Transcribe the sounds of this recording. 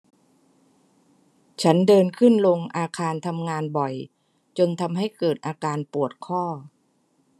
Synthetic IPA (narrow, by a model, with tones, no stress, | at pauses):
t͡ɕʰa˦˥ndɤː˧nkʰɯ˥˩nlo˧ŋʔaː˧kʰaː˧nt̪ʰa˧mŋaː˧nbɔ˨˩j | t͡ɕo˧nt̪ʰa˧mɦa˥˩jkɤː˨˩t̪̚ʔaː˧kaː˧npu˨˩ət̪̚kʰɔː˥˩